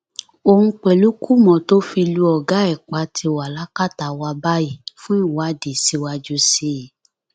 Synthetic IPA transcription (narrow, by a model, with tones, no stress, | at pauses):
õ˧˦k͡pɛ˨lu˦kʰu˦mɔ̃˨to˨˦fi˧lu˦ɔ˨ɡa˨˦ɛ˦˨k͡pa˨˦tʰi˧wa˨la˦ka˦˨ta˨wa˧ba˦i˨fũ˦i˦˨wa˨˦de˨si˧wa˧d͡ʒu˧se˨˦˨